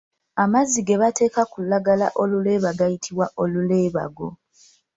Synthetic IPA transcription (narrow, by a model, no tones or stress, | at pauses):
amaziɡe̞βate̞ːkakulːaɡalaʔo̞lule̞ːβaɡajitʰiβwaʔo̞lule̞ːβa̰ɡo̞̰